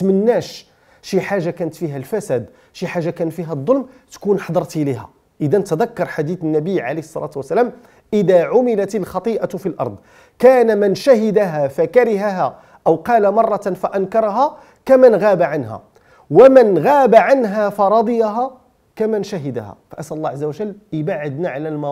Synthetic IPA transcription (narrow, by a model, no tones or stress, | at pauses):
t̪mənːæʃ | ʃiħaʒːakænət̪fiɦælfæsæd̪ | ʃiħaʒːakænət̪fiɦæd̪ˤːolmt̪kunħɑd̪ˤɑɾˤt̪ʔlihæ̰ | ʔəd̪ænt̪əd̪ækːɑɾˤħad̪iθənːæbəjʕalihəsˤːɑ̰lʔɑ̰t̪wəsːælæːm | ʔəd̪æʕʊmɪlat̪əlxɑt̪ˤiʔafilʔɑ̰ɾˤd̪ˤ | kæːnamənʃæɦɪd̪aɦæfækaɾɪɦaɦæ | ʔəwqɑlamɑrˤːɑfæʔænkɑɾˤɑɦa | kæmənɣæbaʕanɦæ̰ | wəmənɣaːbaʕanɦæfɑɾˤɑd̪ˤəjaɦæ | kæmənʃæɦəd̪æ̰hæ̰fæʔæsʔælˤːɑʕazːawæʒəlːʔəbaʕəd̪naʕalælmɑ